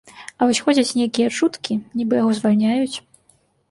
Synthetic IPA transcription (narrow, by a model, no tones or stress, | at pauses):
ɐvɔsʲxɔd͡zʲɐt͡sʲnʲejkʲijɐt͡ʂut̪kʲinʲibɨjaɣɔzvalʲnʲajut͡sʲ